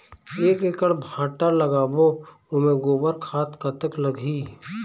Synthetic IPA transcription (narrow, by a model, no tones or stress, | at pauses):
eːkekəɽbʱãːʈaləɡaːbo | ʊmẽɡoːbəɾkʰaːt̪kət̪əkləɡʱiː